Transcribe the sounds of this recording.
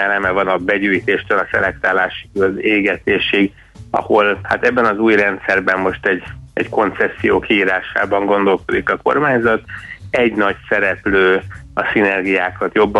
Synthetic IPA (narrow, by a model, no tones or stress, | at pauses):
ɛlɛmɛvɒnɒbɛɟyːjt̪eːʃt̪ølɒsɛ̰lɛkt̪aːlaːʃi̥køzeːɡɛt̪eːʃiɡ | ɒ̰ho̞lhat̪ɛbːɛnɒzuːjrɛnt̪sɛrbɛmmo̞ʃt̪ɛɟɛɟko̞nt̪sɛsːijoːkiiːɾaːʃa̰ːbɒŋɡo̞nd̪o̞lko̞d̪ikɒko̞̰rmaːɲzɒt̪ɛɟnɒcsɛɾɛpløːɒsinɛrɡijaːkɒt̪jo̞bːɒ